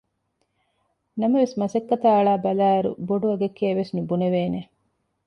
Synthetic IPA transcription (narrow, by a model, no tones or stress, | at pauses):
nɐmɐʋesmɐsɐkːɐt̪aːɐɭaːbɐlæːɐɾṵboɖuɐɡekːeːʋesnibuneʋeːne